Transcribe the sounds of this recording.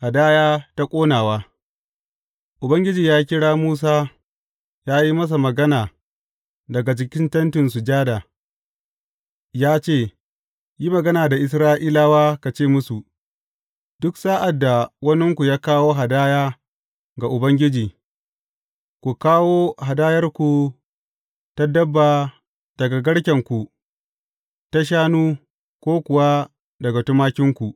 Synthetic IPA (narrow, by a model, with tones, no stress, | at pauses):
ha˨daː˦jaː˦ta˦kʷʼoː˦naː˨waː˦ | ʔʊ˨bɐ˦ŋɡʲɪ˦d͡ʒiː˨jaː˦k̬ʲɪ˦ɽaː˦muː˦s̬aː˦ | jaː˦ji˦mɐ˦s̬a˨mɐ˨ɡɐ˦naː˨ | dɐ˨ɡa˨d͡ʒɪ˨kʲɪ˦ntɐ˦ntɪ˨nsu˨d͡ʒaː˦da˨ | jaː˦t͡ʃeː˦˨ | ji˦mɐ˨ɡɐ˦naː˨da˨ʔɪ˨s̬ɾaː˦ʔiː˦laː˦waː˦ka˨t͡ʃeː˦˨mʊ˦su˨ | d̥ʊ˦ksaː˦ʔa˨dːa˨wɐ˦nɪ˦ŋkʷu˨jaː˦kaː˦woː˦ɦa˨daː˦jaː˦ | ɡa˨ʔʊ˨bɐ˦ŋɡʲɪ˦d͡ʒiː˨ | kʷu˨kaː˦woː˦ɦa˨daː˦jɐ˦rkʷu˨ | ta˦dɐ˦bːaː˨ | d̥ɐ˨ɡa˨ɡɐ˦ɽkʲɐ˨ŋkʷu˨ | ta˦ʃ̬aː˦nuː˦ | kʷoː˦kʷʊ˨wa˦ | dɐ˨ɡa˨tʊ˦maː˦kʲɪ˦ŋkʷu˨ʔ